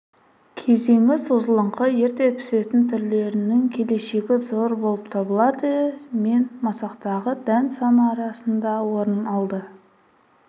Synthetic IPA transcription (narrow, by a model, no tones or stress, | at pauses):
kʲʰe̞ze̞ŋɪsozəlˠəɴqəje̞ɾt̪e̞t̪ʰʏ̥se̞t̪ɪnt̪ʰʏɾle̞ɾɪnɪŋkʲʰe̞le̞ʃe̞ɡʲɪzo̞ɾbo̞lˠəpt̪ʰɑbəlˠɑd̪əme̞nmɑsɑqt̪ɑʁəd̪ænsɑnəɑɾɑsənd̪ɑwo̞ɾənɑlˠd̪ə